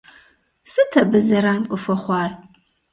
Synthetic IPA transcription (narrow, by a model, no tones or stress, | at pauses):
sɨtʰɐbɨzɐɾaːnkʷʼʊfɐχʷɑːr